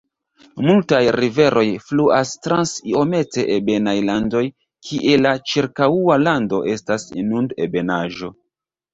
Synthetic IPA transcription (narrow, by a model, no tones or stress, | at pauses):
multajɾive̞ɾʔo̞jfluʔastɾansio̞me̞te̞ʔebe̞najlando̞j | kʰiʔelat͡ʃiɾkaualando̞ʔe̞stasnundḛbe̞naʒo̞